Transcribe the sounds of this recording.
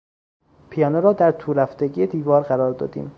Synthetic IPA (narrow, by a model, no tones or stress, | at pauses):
pʰijɒːnoɾɒːd̪æɾt̪ʰuːɾæfd̪eɟijed̪iːvɒːɾɢæɾɒːɾd̪ɒ̰ːd̪ḭːm